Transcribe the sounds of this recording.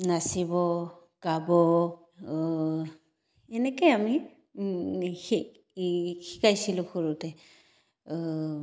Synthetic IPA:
nasibɔ | kabɔ | ɛnɛkɔjami | xikajsilʊxuɹutɛ

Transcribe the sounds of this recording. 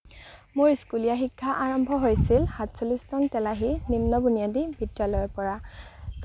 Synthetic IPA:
mʊɹiskulijaxikʰːaʔaɹɔmbʱɔɦojsilhatsolistɔntɛlaɦinimnɔbunijadibʱidalɔjɔpɔɹat

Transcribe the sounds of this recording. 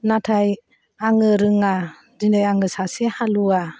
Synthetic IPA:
natʰaj | aŋɯɾɯŋa | dindɯjaŋɯsasehalua

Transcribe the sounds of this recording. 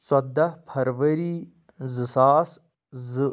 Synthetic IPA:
swɐd̪ʱɐpʰɐɾʋɐɾiː | zɨsaːs | zɨ

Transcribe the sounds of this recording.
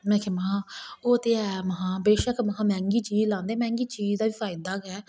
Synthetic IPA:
mɛ̃ːkʰemaɦãːoːt̪eːɛːməɦãːbeːʃəkməɦãːmɛ̃ːŋɡiːt͡ʃiːzlãːnd̪eɛːmɛ̃ːŋɡiːt͡ʃiːzd̪aːʋiːfʰaːɪd̪aːɡɛː

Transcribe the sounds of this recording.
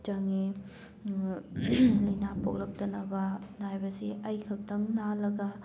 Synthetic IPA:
t͡ʃɐŋi | lɐjnapok̚lɐk̚tɐnɐbɐnajbɐsiʔɐjkʰɐk̚dɐŋnalɐɡɐ

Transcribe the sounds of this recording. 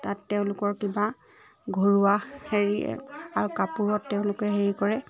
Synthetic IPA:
tatːeʊ̃lʊkɔɹkiba | ɡʱoɹuaheɹiɛ̰aɹukapuɹɔtːɛʊ̃lʊkɛɦeɹikɔɹɛ

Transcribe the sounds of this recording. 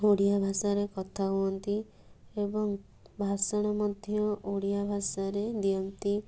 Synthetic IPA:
oɽijabʱasaɾekɔt̪ʰaɦuɔnt̪i | ebɔŋ | bʱasɔɽ̃ɔmɔd̪ʱjɔoɽijabʱasaɾed̪ijɔnt̪i

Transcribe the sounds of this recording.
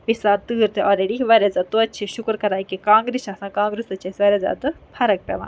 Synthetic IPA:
ʋisaːt̪ɨːɾt̪eʔɔːɾeɽiʋɐɾezat̪uɐtːt͡ʃʰiʃukɾkɐɾaːjkikãːŋɡɾiʃaːsãːkãːŋɡɾist̪ɐt͡ʃʰɐsʲʋɐɾeza̰ːt̪ɨpʰɐɾɐk̚pʲɛ̰ʋa̰ː

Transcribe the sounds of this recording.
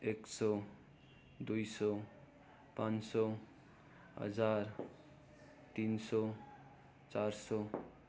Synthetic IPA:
eksɔ | d̪ujsɔ | pãnsɔ | ɦʌ̰d͡zaɾ | t̪insɔ | t͡saɾsɔ

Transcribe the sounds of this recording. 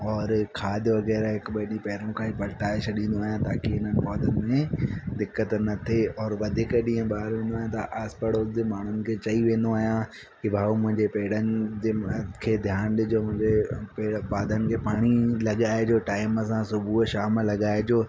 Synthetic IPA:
ɔːɾkʰaːd̪ʱʋɐɣɛːɾaɦɪkɓɐɗĩpɛɦɾõkʰãːipɐlʈaːɪt͡ʃʰɐɗĩːn̆d̪oaːɦijãt̪aːkiɦɪnənɪ̆paːd̪ʱənɪ̆mẽd̪ɪkːət̪nɐt̪ʰeɔːɾʋɐd̪ʱɪkəɗĩːə̃ɓaːɾʋẽːnd̪oaːɦjãt̪ɐʔaːspəɽoːd͡ʑemaːɳ̤ʊnɪ̆kʰeːt͡ɕɐiʋẽːnd̪oaːɦijã | kibʱaːmʊ̃ɦɪ̃ɲd͡ʑepeːɽ̤ənɪ̆d͡ʑekʰeːd̪ʱjaːnɗɪd͡ʑoːmʊ̃ɦɪ̃ɲd͡ʑepepaːd̪ʱənɪ̆kʰeːpaːɽ̃ilɐɠaːed͡ʑoːʈaːɪməs̬ãsʊbʱuʃaːmlɐɠaːed͡ʑoː

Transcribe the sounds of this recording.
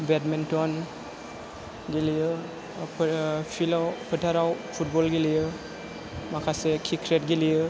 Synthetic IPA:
bɛtmɛntɔn | ɡilijɯ | pʰilawpʰətʰaɾawpʰut̚bɔlɡilijɯ | makʰasekʰikʰɾetɡilijɯ

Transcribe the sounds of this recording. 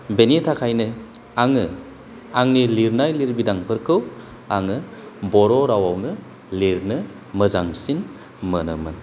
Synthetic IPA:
benitʰakʰajnɯ | aŋɯ | aŋniliɾnajliɾbidaŋpʰɯɾkʰɯw | a̰ŋɯbɔɾɔɾawawnɯ | liɾnɯ | mɯzaŋsin | mənɯmɯn

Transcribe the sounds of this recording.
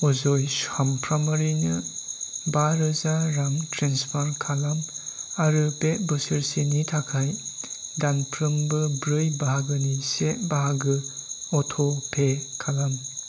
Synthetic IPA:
ɔzɔjsampʰɾamaɾinɯ | baɾɯzaɾaŋtʰɾenspʰaɾkʰalamaɾɯpeʔbɯsɯɾsenitʰakʰajdanpʰɾɯmbɯbɾɯjbaɦaɡɯniseʔbaɦaɡɯɔtʰɔpʰekʰalam

